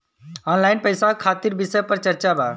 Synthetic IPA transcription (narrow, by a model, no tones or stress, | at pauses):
ɔːnlaːɪnpəjsakʰaːt̪iɾbisəpəɾt͡ʃəɾt͡ʃabaː